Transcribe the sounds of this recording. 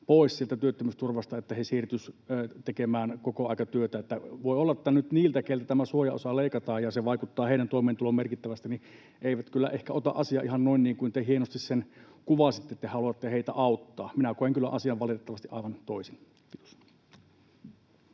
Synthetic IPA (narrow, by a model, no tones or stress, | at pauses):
poˑissielt̪æt̪yøt̪ːømyːst̪urʋɑst̪ɑet̪ːæhesiːrt̪ysːt̪ekemæːnkokoɑˑikɑt̪yøt̪æet̪ːæʋoˑiolːɑet̪ːænyt̪niːlt̪ækelt̪æt̪æmæsuojɑ̰o̰sɑleˑikɑt̪ɑːjjɑseʋɑˑikut̪ːɑːheˑiɾænt̪oˑimeːnt̪ulommerkit̪ːæʋæst̪ini | ʔeiʋæt̪kylːæ̰ʔehkæot̪ɑ̰ʔɑsiɑʔihɑnnoinniːŋkuint̪ehienost̪issen | kuʋɑsit̪ːet̪ːehɑluɑt̪ːeheit̪æ̰ʔɑˑut̪ːɑːminækoeŋkylːæ̰ʔɑsiɑʋʋɑlit̪et̪ːɑʋɑst̪iʔɑˑiʋɑnt̪oˑisin | kit̪o̥s